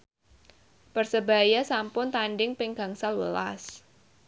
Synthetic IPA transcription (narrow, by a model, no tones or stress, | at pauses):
pərsəba̤jasampʊnt̪anɖɪŋpɪŋɡa̤ŋsalwəla̰s